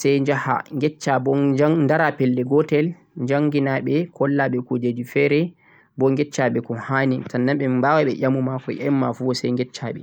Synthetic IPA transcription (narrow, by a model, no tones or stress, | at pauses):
sɛjd͡ʒaha̰ŋɡɛt͡ʃːabɔandaɾapɛlːɛɡɔtɛl | ɲd͡ʒaŋɡinaɓɛkʰɔlːaɓɛkɔd͡ʒed͡ʒifɛɾɛ | bɔŋɡɛt͡ʃːaɓɛkɔhanitanːaɓɛmmbawaɓɛʔamumakɔ̰jɛmːafuwɔsɛjŋɡɛt͡ʃːa̰ɓɛ̰